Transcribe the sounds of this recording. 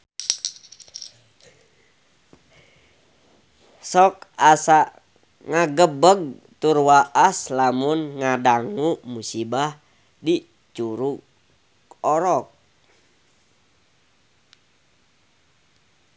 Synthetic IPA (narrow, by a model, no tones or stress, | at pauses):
sɔk̚asaʔ | ŋaɡəbəɡ̚ | t̪urwaʔaslamunŋadaŋumusibah | di | t͡ʃuɾu | kɔɾɔk̚